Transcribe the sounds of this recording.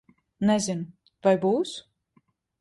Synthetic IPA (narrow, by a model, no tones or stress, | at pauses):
nɛzin | vajbuːs